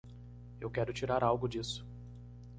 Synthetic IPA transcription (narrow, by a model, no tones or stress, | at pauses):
ewkɛɾʊt͡ʃiɾaɾawɡʊd͡ʒisʊ̥